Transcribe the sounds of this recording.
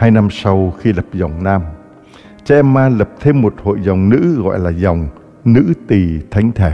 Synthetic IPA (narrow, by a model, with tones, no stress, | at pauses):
haː˧jna˧msa˧wxi˧lə˨˩p̚za˨˩wŋ͡mnaː˧m | t͡ɕɛ˧ʔɛ˧mːaː˧lə˨˩p̚t̪ʰe˧mːo˨˩t̚ho̰˧˨jza˨˩wŋ͡mnɨ̰˧˥ɣɔ̰˧˨jlaː˨˩za˨˩wŋ͡m | nɨ̰˧˥t̪i˨˩t̪ʰa˨˦jŋ̟t̪ʰe˧˩˦